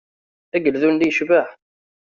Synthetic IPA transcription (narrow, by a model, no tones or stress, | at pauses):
æɡəlðund̪ijəʃvaħ